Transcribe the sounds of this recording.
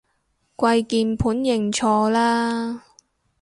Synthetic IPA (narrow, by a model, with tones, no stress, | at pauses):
kʷɐ˧jkiː˧npʰuː˨˥njɪ˨˩ŋt͡ʃʰɔː˧laː˥